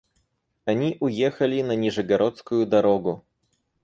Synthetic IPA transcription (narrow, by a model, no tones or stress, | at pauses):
aɲʲiʔujɛxalʲinaɲʲiʐɨɡaɾɔt̪skujud̪aɾɔɡu